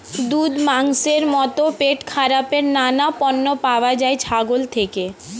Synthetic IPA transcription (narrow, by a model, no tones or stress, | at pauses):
d̪ud̪maŋseɾmɔt̪opeʈkʰaɾapeɾnanapɔnːopaoad͡ʑajt͡ɕʰaɡolt̪ʰeke